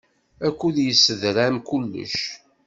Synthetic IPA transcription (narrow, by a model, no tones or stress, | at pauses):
ækʷːuðjəsːəðɾæmkulːə̰ʃ